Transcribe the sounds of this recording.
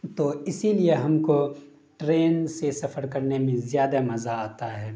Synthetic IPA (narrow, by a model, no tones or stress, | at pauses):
t̪oːɪsilieɦɐmko | ʈɾeːnsesɐfəɾkɐɾnemẽzjaːd̪amɐzaaːt̪aɦɛː